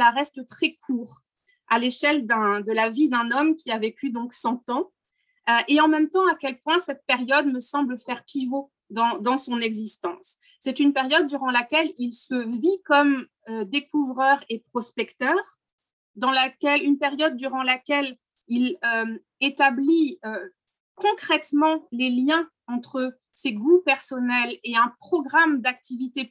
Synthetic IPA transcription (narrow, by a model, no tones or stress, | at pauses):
laʁɛst̪t̪χɛkʰuːʁ | aleʃɛld̪ɛ̃d̪əlavid̪ɛ̃nɔmkʲiavekʲyd̪ɔ̃ksɑ̃t̪ɑ̃ | ʔeɑ̃mɛmt̪ɑ̃akʲɛlpwɛ̃sɛt̪̚peʁjɔd̪məsɑ̃blfɛʁpivo | d̪ɑ̃d̪ɑ̃sɔ̃nɛɡzist̪ɑ̃sː | ɛt̪ynpeʁjɔd̪̚ːyʁɑ̃lakʲɛlilsəvikɔm | ød̪ekuvʁœʁepχɔspɛkt̪œʁ | d̪ɑ̃lakʲɛlynpeʁjɔd̪̚ːyʁɑ̃lakʲɛl | ilø | et̪abliø | kɔ̃kχɛt̪mɑ̃leljɛ̃ | ɑ̃t̪χə | seɡupɛʁsɔnɛleɛ̃pχɔɡʁamd̪ak̚t̪ivit̪e